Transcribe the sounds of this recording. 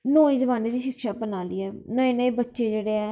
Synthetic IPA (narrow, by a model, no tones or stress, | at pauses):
nõːĩːzəʋaːneːd̪iːʃɪkʃaːbənaːliːɛːnãːɪnẽːbətːʃeːd͡ʒeːɽeːɛː